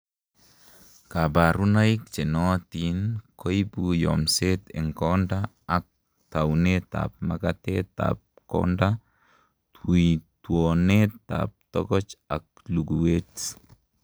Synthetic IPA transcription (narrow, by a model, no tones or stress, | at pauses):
kabaɾunajkt͡ʃɛnɔt̪inkʰɔibujɔ̰mset̪ɛ̰ŋkɔndaː | k̚ | tawnet̪a̰p̚makat̪et̪a̰p̚kɔ̰nda | tʰuitwɔnet̪a̰p̚t̪ɔ̰ɡɔt͡ʃak̚ | luɡuwet